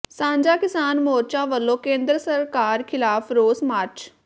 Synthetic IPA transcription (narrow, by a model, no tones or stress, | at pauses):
sãːɲd͡ʒaːkɪsaːnmoːɾt͡ʃãːʋəlːõːkẽːnd̪ɾəsəɾkaːɾkʰɪlaːfɾoːsmaːɾt͡ʃ